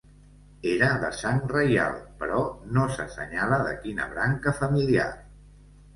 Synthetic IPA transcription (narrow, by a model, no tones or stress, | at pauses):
eɾəðəsaŋrəja̰lˠpəɾɔnosəsə̰ɲaləðə̰kinə̰βɾaŋkəfəmilia̰